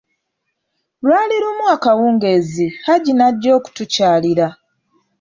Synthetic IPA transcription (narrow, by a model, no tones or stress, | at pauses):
lwaːliɾumwaːkawuːŋɡe̞zihaɟinaɟːo̞ːku̥tucaːliɾa